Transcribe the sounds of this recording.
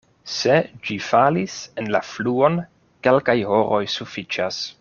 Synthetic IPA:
se̞d͡ʒifalisenlafluo̞n | ke̞lkajho̞ɾʔo̞jsufit͡ʃas

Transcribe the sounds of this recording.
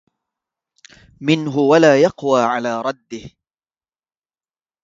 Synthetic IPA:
mɪnɦʊwalaːjɑqwaːʕalaːɾˤɑd̪ːɪh

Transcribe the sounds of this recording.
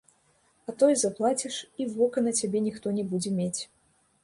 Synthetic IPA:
at̪ɔjzaplˠat͡sʲiʂivɔkɐnɐt͡sʲabʲɛnʲixt̪ɔnʲɛbud͡zʲɛmʲet͡sʲ

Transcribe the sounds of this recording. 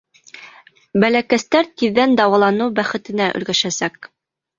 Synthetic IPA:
bælækæst̪æɾt̪iðːænd̪ɑwɑlˠɑnɤwbæχɘ̆t̪ɘ̆næʔɵ̰̆lɡæʃæsæk̚

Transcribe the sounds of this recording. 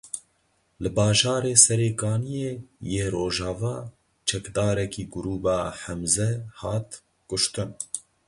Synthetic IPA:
lɨbɑːʒɑːɾeːsɛɾeːkɑːnijeːjeːɾoːʒɑːvɑː | t͡ʃʰɛkd̪ɑːɾɛkiːɡʊɾuːbɑːħɛmzɛhɑːt̪ | kʊʃt̪ɨn

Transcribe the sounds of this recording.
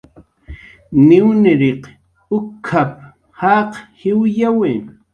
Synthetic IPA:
nɪwnɪɾeq | ʊkʰːap̚ | haqhɪwjawe

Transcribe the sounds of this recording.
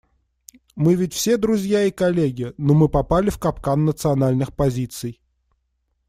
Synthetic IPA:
mɨvʲɪtʲfsʲed̪ɾʊzʲjaikɐlʲeɡʲɪnomɨpɐpalʲɪfkɐpkanːət̪sɨɐnalʲnɨxpɐzʲit̪sɨj

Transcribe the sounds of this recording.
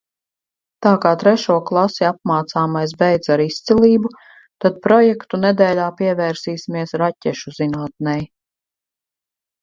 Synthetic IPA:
t̪aːkaːt̪ɾɛʃuɔklˠasiap̚maːt̪saːmajsbɛjd̪zaɾist̪silˠiːbu | t̪ad̪̚pɾɔjɛkt̪unɛd̪ɛːlʲaːpiɛvɛːɾsiːsimiɛsɾacʲɛʃuzinaːt̪̚nɛj

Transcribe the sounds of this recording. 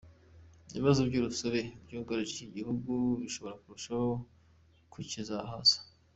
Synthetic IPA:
βiβazobɟuːɾusaβe̞bɟuːɡaɾiʒiciɟihuɡuβiʃo̞βo̞ɾakuɾuʃaho | kʰucizaɦazḁ

